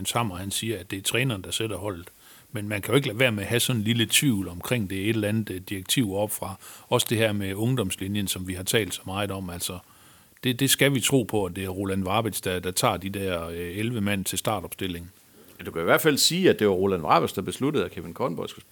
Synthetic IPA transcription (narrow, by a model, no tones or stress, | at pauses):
nshɑ̈m̰ɐhænsiːɐæd̥e̝ɐt͡sʰʁɛːnɐːnd̥ɑ̈sed̥ɐhɒ̽l̰d̥̩ˠ | menmænkʰæjo̝e̝ɡ̥ʋæɐ̰meɦæsɒ̽nnlilət͡sʰʋiʊlɒ̽mkʰʁeŋ̰d̥e̝æɐe̝d̥lænð̩ˠd̥iɐɡ̥̚t͡sʰiʊ̰ɒ̽b̥fʁɑ̈ɒ̽sd̥e̝ɦæɐ̰meɔ̽ŋd̥ɒ̽mslinjənsɒ̽mʋiɦɑ̈t͡sʰɛ̰ːld̥sɒ̽mɑ̈ːð̩ˠɒ̽mæl̰sɒ̽ | d̥e̝d̥e̝sɡ̥æʋit͡sʰʁo̝̰ːpʰɒ̽æd̥e̝æɐʁo̝lænʋɑ̈b̥e̥sd̥ɑd̥ɑ̈t͡sʰɑ̰̈ːd̥id̥æɐ̰elʋəmæn̰t͡sʰe̝lsd̥ɑ̈ːɾ̥ɒ̽b̥sd̥e̝le̝ŋ | æd̥ukʰæiʋæɐ̰d̥fæl̰siːæd̥e̝ʋɑ̈ʁo̝lænʋɑ̈b̥æsd̥ɑ̈b̥e̝slud̥əð̩ˠækʰeʋinkʰɒːn̩b̥ɒ̽ɪ̰sɡ̥u